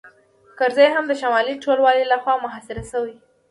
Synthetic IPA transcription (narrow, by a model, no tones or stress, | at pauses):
kaɾzajɦamd̪əʃamɑliʈolwɑlilaxwɑmʊɦɑsɪɾasəwi